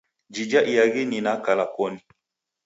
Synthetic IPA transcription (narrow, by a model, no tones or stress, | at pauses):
d͡ʒid͡ʒaʔijaɣininakalakɔni